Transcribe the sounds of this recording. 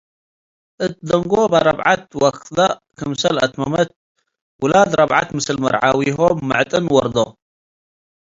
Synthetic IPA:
ʔɨt̪d̪ɐŋɡobaɾˤɐbʕat̪wɐkd̪akʰɐmsɐlʔɐt̪mɐmɐt̪̚ | wʊlad̪ɾˤɐbʕa̰t̪mɨsɨlmɐɾʕawiɦomːɨʕt̪ʼɨnwɐɾd̪o

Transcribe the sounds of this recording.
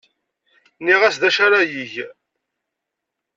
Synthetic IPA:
niʁæsd̪æʃaɾajiʝ

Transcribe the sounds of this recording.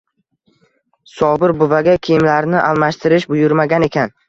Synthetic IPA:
sɒbɪɾbʊvaɡʲakʲʰejɪmlaɾnɪʔalˠmaʃt̪ʰɪɾɪʃbʊjʊɾmaɡʲane̞kʲʰan

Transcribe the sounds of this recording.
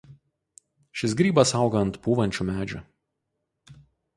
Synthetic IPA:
ʃʲɪs̬ɡɾʲiːbɐsɑˑʊɡɐɐnt̪puːʋɐnʲt͡ʃʲuːˑmʲæːd͡ʒʲʊ

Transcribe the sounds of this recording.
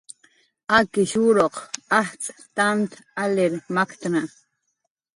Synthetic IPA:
akɪʃuɾoqaht͡sʼt̪ant̪aleɾmakt̪ɾa

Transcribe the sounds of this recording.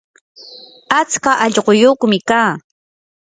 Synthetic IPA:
at͡skaʔɑʎɢojuːkʊmɪkaː

